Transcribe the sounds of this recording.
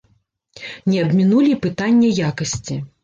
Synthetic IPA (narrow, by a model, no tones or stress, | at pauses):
nʲɛɐbʲmʲinulʲipɨt̪anʲːɐjakɐsʲt͡sʲi